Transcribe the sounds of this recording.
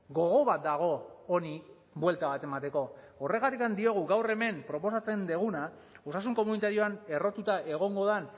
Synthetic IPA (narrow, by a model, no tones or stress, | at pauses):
ɡo̞ɣ̞o̞βat̪̚d̪aɣ̞o̞ːni | bwe̞lt̪aβat̪e̞mat̪e̞ko̞ː | re̞ɣat̪ikand̪io̞ɣ̞uɡawre̞me̞mpɾo̞po̞sat͡se̞nd̪eɣ̞una | o̞sasuŋko̞munit̪aɾio̞ane̞ro̞t̪ut̪aʔe̞ɣ̞o̞ŋɡo̞ðan